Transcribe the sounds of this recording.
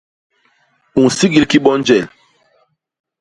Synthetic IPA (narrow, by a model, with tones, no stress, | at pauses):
u˨n˨si˦ɡi˨˦lki˦ɓɔ˦nd͡ʒɛ˨l